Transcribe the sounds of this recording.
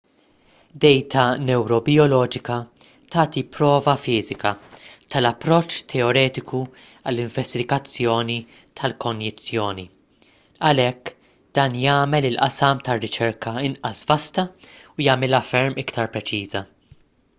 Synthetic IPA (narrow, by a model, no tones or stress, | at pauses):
d̪ɛjt̪ʰɐnɛwɾɔbɪɔlɔːd͡ʒɪkɐ | t̪ɐːt̪ipɾɔːvɐfɪːzɪkɐt̪ɐlɐpːɾɔt͡ʃːt̪ʰɛɔɾɛːt̪ɪkʰu | ɐlːɪɱvɛst̪ɪɡɐt͡sːjɔːni | t̪ʰɐlkʰɔnjɪt͡sːjɔːni | ɐlɛkː | d̪̥ɐːnjɐːmɛlɪlʔɐsɐmt̪ɐrːɪt͡ʃɛɾkʰɐɪnʔɐsvɐst̪ɐujɐmɪlɐfɛɾmɪkt̪ɐɾpɾɛt͡ʃiːzɐ